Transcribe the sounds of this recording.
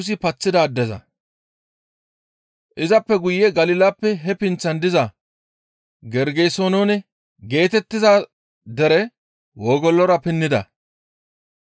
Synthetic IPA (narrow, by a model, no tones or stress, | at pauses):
s̬ɪpɐt͡sːɪd̪aːd̪ːɛzɐ̰ | ʔɪzɐpːɛɡʊjːɛɡɐlɪlɐpːɛɦɛpɪnt͡sːɐnd̪ɪzɐ | ɡɛɾɡejsoːnonɛ | ɡe̞ːt̪ɛt̪ːɪzɐ | d̪ɛɾɛ | woːɡɔlːɔɾɐpɪnːɪd̪ɐ̰